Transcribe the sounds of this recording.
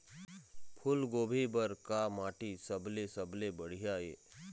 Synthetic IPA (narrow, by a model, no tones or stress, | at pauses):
pʰʊlɡoːbʱibəɾkamaːʈisəblesəblebəɽ̤ijaḛː